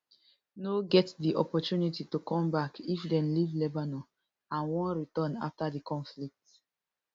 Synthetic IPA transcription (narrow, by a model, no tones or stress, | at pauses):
noɡɛtdiʔɔpɔtunititukɔ̃mbakifdɛ̃nlivlɛbano | ãnwɔ̃nɹitɔ̃na̰ftadikɔ̃nflik̚t